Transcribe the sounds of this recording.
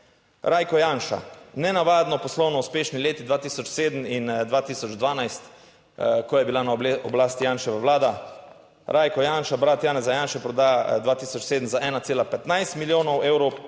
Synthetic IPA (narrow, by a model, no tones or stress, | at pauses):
ɾʔaːjkɔjaːnʃa̰nɛnaʋaːd̪nɔpɔslɔwnɔuspeːʃnileːt̪id̪ʋaːt̪iːsɔt͡ʃseːd̪m̩ind̪ʋaːt̪iːsɔd͡ʒd̪ʋaːnajst̪ | kɔjɛbilanaɔblaːst̪ijaːnʃɛʋəwlaːd̪a | ɾʔaːjkɔjaːnʃabɾaːt̪jaːnɛzajanʃɛpɾɔd̪aːjad̪ʋaːt̪iːsɔt͡ʃseːd̪əmzaʔɛːnat̪seːlapɛt̪najst̪miljoːnɔwʔeːwɾow